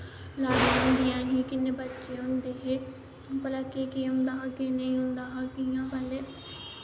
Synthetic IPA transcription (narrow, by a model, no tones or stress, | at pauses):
laːʊ̃nd̪ijãːɦiːkɪnːeːbətːʃeːɦʊnd̪eːɦeː | pələkːeːkiːʊnd̪aːkɪneĩɦʊnd̪aːɦakijãːpəleː